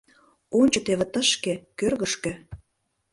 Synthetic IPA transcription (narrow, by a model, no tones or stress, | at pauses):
onʲt͡ɕŏt̪eβĕt̪əʃkĕkørɣə̆ʃkĕ